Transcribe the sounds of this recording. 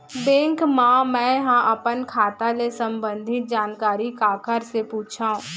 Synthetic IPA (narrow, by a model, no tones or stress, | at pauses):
bẽːŋkmãmɛ̃ːɦãʔəpənkʰaːt̪alesə̃mbə̃nd̪ʱɪt̪̚d͡ʒaːnkaːɾikaːkʰəɾsepuːt͡ʃʰaũ